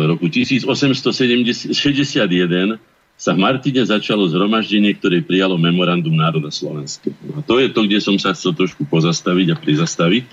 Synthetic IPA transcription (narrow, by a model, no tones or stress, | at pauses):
ɾɔkucisiːd͡zɔsɛmst̪ɔsɛmɛʃɛzɟɛsɪad̪jɛd̪ɛn | savmaɾt̪iɲɛzat͡ʃalɔzɦɾɔmaʒɟɛɲɪɛk̚t̪ɔɾɛjpɾijalɔmɛmɔɾand̪umnaːɾɔd̪aslɔ̰ʋɛnskanɔat̪ɔjɛt̪ɔɡɟɛsɔmsaxt͡sɛlt̪ɾɔʃkupɔzast̪aʋiɟapɾizast̪aʋic